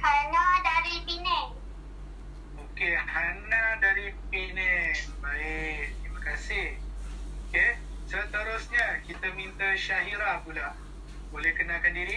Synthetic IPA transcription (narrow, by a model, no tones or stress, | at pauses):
hanadaɾipinɛk̚ | okehanadaɾip̚inɛ̃kbaet̪ɾimakasihoke | sət̪əɾosɲakit̪əmĩnt̪əʃaɦiɾapula | bolɛhkənalkandiɾi